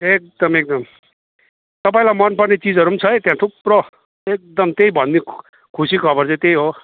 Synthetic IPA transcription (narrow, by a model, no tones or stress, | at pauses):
ek̚d̪ʌmek̚d̪ʌm | t̪ʌpaĩlamʌnpʌrnet͡sid͡zʌɾunt͡sʰʌjt̪jãt̪ʰuprʌ | ek̚d̪ʌmt̪ejbʱʌnni | kʰusikʰʌbʌrt͡sʌ̃t̪ejɦo